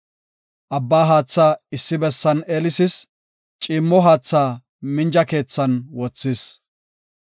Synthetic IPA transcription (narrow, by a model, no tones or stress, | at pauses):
ʔɐbːaːɦaːt͡sːaːɪsːɪbɛsːɐneːlɪsɪs | t͡ʃʼiːmːɔɦaːt͡sːaː | mɪnd͡ʒɐke̞ːt͡sːɐnwɔt͡sːɪs